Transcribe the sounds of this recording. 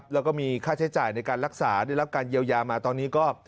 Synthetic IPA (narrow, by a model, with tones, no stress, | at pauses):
p̚lɛ˦˥kɔː˥˩miː˧kʰaː˥˩t͡ɕʰa˦˥jt͡ɕaː˨˩jna˧jkaː˧nɾa˦˥k̚saː˩˦da˥˩jɾa˦˥p̚kaː˧njiː˧əwjaː˧maː˧t̪ɔː˧nːiː˦˥kɔː˥˩